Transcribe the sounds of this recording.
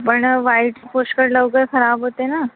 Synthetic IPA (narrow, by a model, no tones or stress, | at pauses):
pəɳʋaiʈpoʃkəɾləʋɡəɾxəɾaːbɦot̪ena